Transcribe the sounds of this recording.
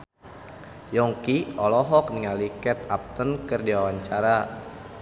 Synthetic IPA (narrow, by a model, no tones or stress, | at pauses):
jɔŋkiɔlɔɦɔk̚niŋalikɛt̪ap̚t̪ənkərdiawaɲt͡ʃaɾa